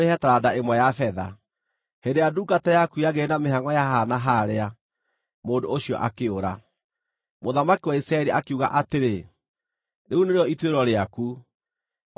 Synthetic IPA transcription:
ehɛtaɾadaemwɛjafɛða̰ | hendejaduːkatɛjakuiaɣenameɦaŋwɔjaɦanaɦaɾea | moːndoːɕijɔ̰ʔakeoɾa | moðamakiwaisɾaɛɾiʔakeuɣa̰ʔateɾe | neuneɾeɔitweɾɔɾeaku

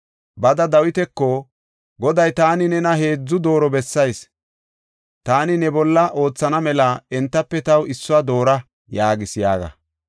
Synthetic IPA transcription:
bɐd̪ɐd̪ɐwɪt̪ɛkːɔ | ɡɔd̪ɐjt̪aːnɪnɛnɐɦe̞ːd͡zːʊd̪o̞ːɾɔbɛsːɐjs | t̪aːnɪnɛbɔlːɐʔo̞ːt͡sːɐnɐmɛlɐɛnt̪ːɐpːɛt̪ɐwɪsːʊad̪o̞ːɾɐ | jaːɡɪsɪjaːɡɐ̰

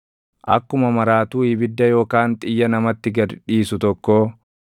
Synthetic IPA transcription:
ʔɐ̰kːʊmɐmɐɾaːt̪uːɪbɪd̪ːɐjo̞ːkaːnt̪ʼɪjːɐnɐmɐt̪ːɪɡɐɾᶑiːsʊt̪ɔkːoː

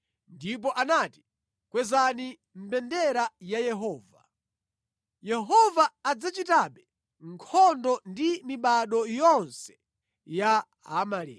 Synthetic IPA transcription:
ndip̬ɔʔanati̥ | kwɛzani | m̩bɛndɛɾajajɛɦɔːva̰ | jɛɦɔvaːd͡zat͡ʃitaɓɛ | ŋkʰɔndɔndimiɓaɗɔjɔnsɛ̥ | ja | ɦa̰malḭː

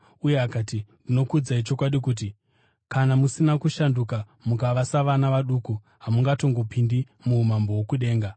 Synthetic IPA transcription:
uje̞akaːtindino̞kud͡zait͡ʃo̞kwaɗikuːt̬i | kanamusinakuʃanduka | mukaʋasaʋanaʋaɗuku | ɦamuŋɡato̞ŋɡo̞pindi | muːmambo̞wokuɗe̞ːŋɡa

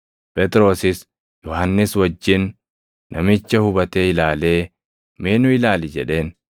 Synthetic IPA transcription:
pɛt̪ɪɾo̞ːsɪs | jɔhɐnːɪswɐd͡ʒːɪnː | ɐmɪt͡ʃːɐhʊbɐt̪e̞ːɪlaːle̞ː | meːnʊɪlaːlɪd͡ʒɛᶑe̞ːn

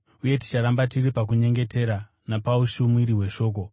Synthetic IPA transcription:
uje̞ti̥t͡ʃaɾambatiripak̬uɲe̞ŋɡe̞te̞ɾa | napauʃumwiɾiɦwe̞ʃo̞ːk̬o̞

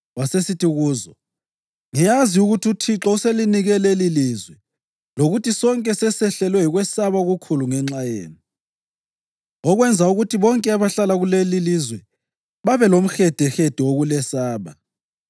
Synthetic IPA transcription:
wasesitʰiɣuːzɔ | ŋijaziuɣutʰiutʰiǁɔuseliniɣɛlelilizwɛ | loɣutisɔŋkʼɛsɛsɛɬɛlwɛɦiɣwɛsaβaɣukʰuluŋɛŋ͡ǁajḛːni | ɔɣwɛnd͡zʱauɣutʰiβɔŋkʼɛaβaɬalaɣulelilizwɛ | βaβɛlom̩xɛd̥ʱɛxed̥ʱɛwoɣulɛsaːβa

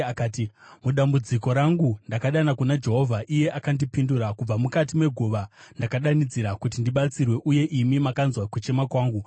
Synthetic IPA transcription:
akaːtimuɗambud͡ziko̞ɾaŋɡundakaɗanakunad͡ʒe̞ɦo̞vʱaʔije̞ʔakandipinduɾakub͡vamukat̬ime̞ɡʱuʋandakaɗanid͡ziɾakut̬indiɓat͡sirwe̞ʔuje̞ʔimimakanzwakut͡ʃe̞makwaːŋɡu

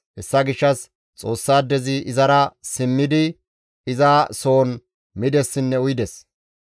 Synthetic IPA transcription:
hɛsːɐɡɪʃːɐs | t͡sʼo̞ːsːaːd̪ɛzɪʔɪzɐɾɐsɪmːɪd̪ɪ | ɪzaːso̞ːn | mɪd̪ɛsːɪnːɛʊjɪd̪ɛs

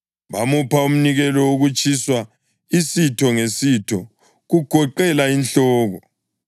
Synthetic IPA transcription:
βamupʰaum̩niɣɛlɔoɣut͡ʃʰʼiswa | isitʰɔŋesitʰɔ | ɣuɡ̥ʱɔǃɛlainɬɔːɣɔ

